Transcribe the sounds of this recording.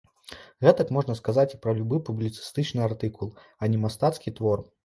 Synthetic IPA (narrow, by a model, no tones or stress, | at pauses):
ɣɛt̪ɐkmɔʐnɐskazat͡sʲipɾɐlʲubɨpublʲit̪sɨ̥st̪ɨt͡ʂnɨart̪ɨkulˠ | ɐnʲɛmast̪at̪skʲit̪vɔr